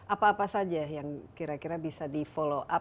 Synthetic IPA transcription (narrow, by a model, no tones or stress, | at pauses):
ʔapaːpasad͡ʒajaŋkiɾakiɾabisadifoloʔa